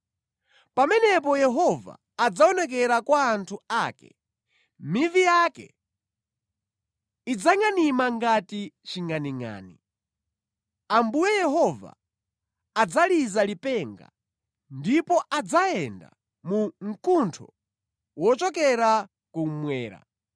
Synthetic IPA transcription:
pamɛnɛp̬ɔjɛɦɔva̰ːd͡zaɔnɛk̬ɛɾakwaːntʰuaːkɛ̰ | mivijakɛ̰ | id͡zaŋanimaŋɡatit͡ʃiŋaniŋa̰ːni | ambujɛjɛɦɔva̰ː | d͡zalizalipɛŋɡa̰ | ndipɔʔad͡zaɛnda̰ | muŋ̩kuntʰɔ̰ | wɔt͡ʃɔkɛɾa | kumwɛːɾa̰

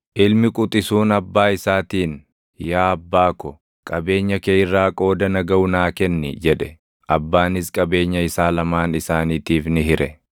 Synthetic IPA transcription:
ʔɪlmɪkʼʊt̪ʼɪsuːnɐbːaːɪsaːt̪iːn | jaːɐbːaːkɔ | kʼɐbe̞ːɲːɐkeːɪrːaːkʼo̞ːd̪ɐnɐɡɐʊnaːkɛnːɪ̰d͡ʒɛᶑɛ | ʔɐbːaːnɪskʼɐbe̞ːɲːɐɪsaːlɐmaːnɪsaːniːt̪iːfnɪɦɪɾɛ

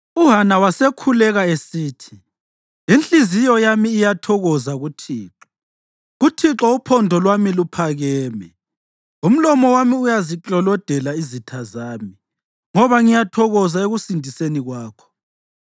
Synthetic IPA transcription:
uɦanawasekʰulɛɣaesiːtʰi | inɬʼizijɔjamiːjatʰɔɣɔzaɣutʰiːǁɔ̥ | ɣutʰiǁɔupʰɔndʱɔlwamilupʰaɣɛːmɛ | um̩lɔmɔwamiujaziǁɔlɔd̥ʱɛlaizitʰazaːmi | ŋɔβaŋijatʰɔɣɔzaeɣusindʱiseniɣwaːkʰɔ̥

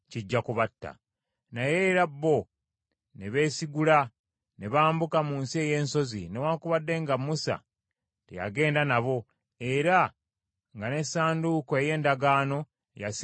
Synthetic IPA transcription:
ciɟːakuβatːa̰ | najeɾabːo̞ | ne̞βe̞ːsiɡula | ne̞βaːmbukamuːnsieje̞ːnso̞zḭne̞waːkuβadːe̞ŋɡamːusa̰ | tḛja̰ɡe̞ːndanaβo̞ | e̞ɾa | ŋɡane̞saːndukoeje̞ːndaɡaːno̞ | jas

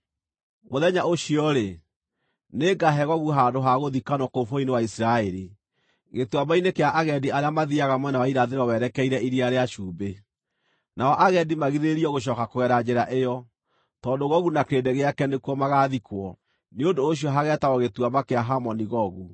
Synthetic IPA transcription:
moðɛɲaoʃiɔɾe | neːɡaɦɛɣɔɣuɦandoɦaɣoðikanɔkofoinewaisiɾaeɾi | ɣetuabainekeaʔaɣɛdiaɾeamaðiaɣamwɛnawaiɾaðeɾɔwɛɾɛkɛiɾɛiɾiaɾeaʃuːbe | naɔʔaɣɛdimaɣiðeɾiɔɣoʃ̬ɔːkakoɛɾad͡ʑɛɾaʔejɔ | tɔndoɣɔɣunakedeɣeakɛnekuɔmaɣaðikwɔ | neondoːɕ̬iɔɦaɣɛtaɣɔɣetwamakeaɦamɔniɣɔɣu

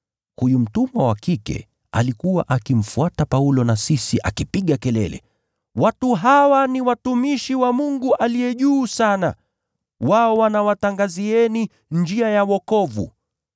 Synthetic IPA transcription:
hujum̩tumawakikɛ̰ | a̰likuwa̰ʔakim̩fuatapaulɔnasisiʔakipiɠakɛlɛ̰lɛ̰ | watuɦawaniwatumiʃiwamuŋɡuʔalijɛʄuːsana̰ | waɔwanawataŋɡaziɛni | nd͡ʒiajawɔkɔvṵ

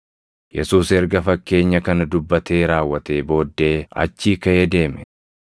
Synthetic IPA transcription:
jɛsuːsɛɾɡɐfɐkːe̞ːɲːɐkɐnɐd̪ʊbːɐt̪eːɾaːwːɐt̪e̞ːbo̞ːd̪ːe̞ːɐ̰t͡ʃːiːkɐed̪e̞ːmɛ

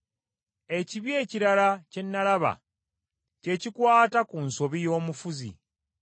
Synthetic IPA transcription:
e̞ciβje̞ːciɾalace̞nːalaβa̰ | ce̞cikwaːtakunso̞βijo̞ːmufuzḭ

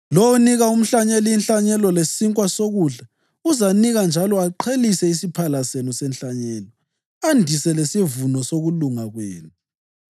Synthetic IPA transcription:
lowuniɣaum̩ɬaɲɛliinɬaɲɛlɔlesiŋkʼwasoɣuɮa | uzaniɣand͡ʒʱalɔaǃʰelisɛisipʰalasenusɛnɬaɲɛːlɔ | andʱisɛlesivunɔsoɣuluŋaɣwḛːnu

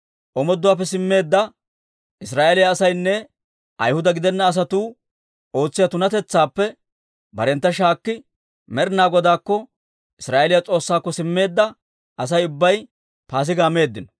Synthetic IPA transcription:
ʔɔmɔd̪ːʊwaːp̬ːɛs̬ɪmːe̞ːd̪ːɐ | ʔɪsɾaːʔelɪjaːsɐjnːɛ | ʔɐ̰jhʊd̪ɐɡɪd̪ɛnːɐːs̬ɐt̪uː | o̞ːt͡sːɪjɐt̪ʊnɐt̪ɛt͡sːaːpːɛ | bɐɾɛnt̪ːɐʃaːkːɪ | mɛɾnaːɡɔd̪aːkːɔ | ɪsɾaːʔelɪjat͡sʼo̞ːsːaːkːɔsɪmːe̞ːd̪ːɐ | ʔɐs̬ɐjʊbːɐj | paːs̬ɪɡaːme̞ːd̪ːɪnɔ̥

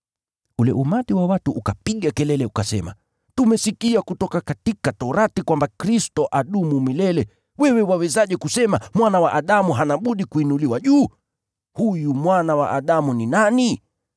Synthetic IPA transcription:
ulɛʔumatiwawatuːkapiɠakɛlɛlɛukasɛ̰ma̰ | tumɛsikiakutɔkakatikatɔɾatikwambakɾistɔʔaɗumumilɛlɛ | wɛwɛwawɛzaʄɛkusɛmamwanawaʔaɗamuɦanaɓuɗikuinuliwaʄuː | hujumwanawa̰ʔaɗamuninani

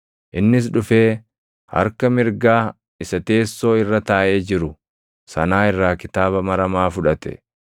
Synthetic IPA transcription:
ʔɪnːɪs̬ᶑʊfe̞ː | hɐ̰ɾkɐmɪɾɡaː | ɪsɐt̪e̞ːsːo̞ːɪrːɐt̪aːʔe̞ːd͡ʒɪɾʊ | sɐnaːɪrːaːkɪt̪aːβɐmɐɾɐmaːfʊᶑɐt̪ɛ̥̰

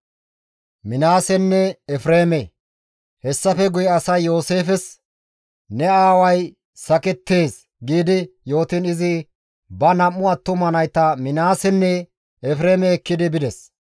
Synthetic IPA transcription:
mɪnaːsɛnːɛɛfɾeːmɛ | hɛsːɐfɛɡʊjɐsɐjːo̞ːse̞ːfɛs | nɛaːwɐj | sɐkɛt̪ːe̞ːs | ɡiːd̪ɪjo̞ːt̪ɪnɪzɪ | bɐnɐmːʊɐt̪ːʊmɐnɐjt̪ɐmɪnaːsɛnːɛ | ɛfɾe̞ːmɛːkːɪd̪ɪbɪd̪ɛs

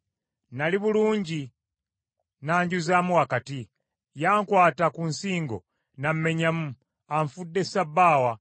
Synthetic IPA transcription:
naliβuluːɲɟi | naːɲɟuzaːmuɣakati | jaːŋkwaːtakunsiːŋɡo̞̰ | nam̩me̞ɲamu | aɱfudːe̞sabːaːwa

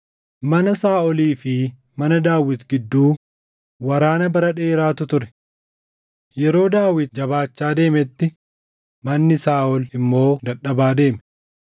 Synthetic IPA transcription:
mɐnɐsaːʔɔliːfɪ | mɐnɐd̪aːwɪt̪ɡɪd̪ːuː | wɐɾaːnɐbɐɾɐᶑeːɾaːt̪ʊt̪ʊɾɛ̥ | jɛɾo̞ːd̪aːwɪt̪̚d͡ʒɐβaːt͡ʃːaːd̪e̞ːmɛt̪ːɪ | mɐnːɪsaːʔɔlɪmːo̞ːd̪ɐᶑɐbaːd̪e̞ːmɛ

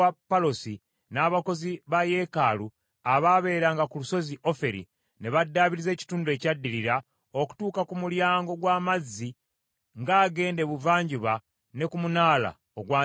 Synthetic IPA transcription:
apːalo̞si | naːβako̞ziβaje̞kaːlu | aβaβe̞ːɾaŋɡakuluso̞ziʔo̞fe̞ɾḭ | ne̞βadːaːβiɾize̞ːci̥tuːndue̞cadːiɾiɾa | oku̥tuːkakumuljaːŋɡo̞ɡwaːmazːi | ŋɡaːɡe̞ːnde̞βuvaːɲɟuβa | ne̞kumunaːla̰ | oɡwaː

